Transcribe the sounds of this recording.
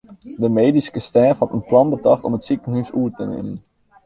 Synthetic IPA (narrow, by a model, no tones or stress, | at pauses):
dəmejdiskəstɛːfhɑtənplɑnbətɑχtɔmətsikənɦysuəɹtənḛːmən